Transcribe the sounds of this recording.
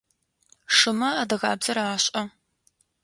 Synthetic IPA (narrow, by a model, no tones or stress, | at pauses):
ʂɨmɐaːdɐɣaːbz̥ɐɾaːɕʼɐ